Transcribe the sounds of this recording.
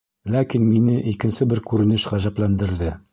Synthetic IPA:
lækinminɘʔikɘ̆nsɘbɘɾkʉɾɘ̆nɘʃʁæʑæplænd̪ɘ̆ɾðɘ

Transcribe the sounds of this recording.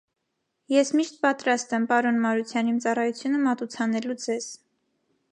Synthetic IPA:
jɛsmiʃt̪̚pɑt̪ɾɑst̪ɛmpɑɾɔnmɑɾut͡sʰjɑnimt͡sɑrɑjut͡sʰjunəmɑt̪ut͡sʰɑnɛlud͡zɛz̥

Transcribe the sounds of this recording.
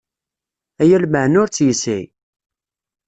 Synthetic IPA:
æjælməʕənʊɾt͡sːjəsæ̰j

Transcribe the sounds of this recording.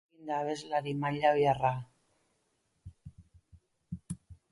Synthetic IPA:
ind̪aːβe̞zlaɾimaʎajara

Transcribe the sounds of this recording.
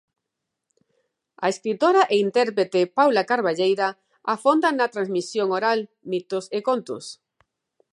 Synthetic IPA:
a̰eskɾit̪oɾaʔeint̪ɛɾpɾet̪epawlakaɾβaʎejɾa | afond̪anat̪ɾanzmisjoŋoɾal | mit̪osekont̪ʊ̰s

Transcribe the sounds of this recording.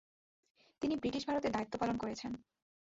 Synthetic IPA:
t̪inibɾiʈiʃbʱaɾot̪ed̪ait̪ːopalonkoɾet͡ɕʰen

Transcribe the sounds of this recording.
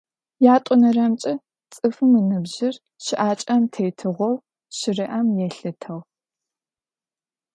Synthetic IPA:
jaːtʷʼʊnɐrɐmt͡ʃʼɐ | t͡sʼɨfɨmɨnɨbʑɪr | ʃɪʔaːt͡ʃʼɐmtʰejtʰɨʁʷɔw | ʃɪrɨʔɐmjɛɬɨtʰɐw

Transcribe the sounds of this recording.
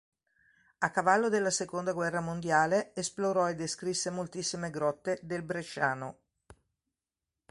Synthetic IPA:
akːavalːod̪elːasekond̪aɡwɛrːamond̪jaːleesploɾɔed̪ːeskɾisːemolt̪isːimeɡɾɔt̪ːed̪elbɾet͡ʃːaːno

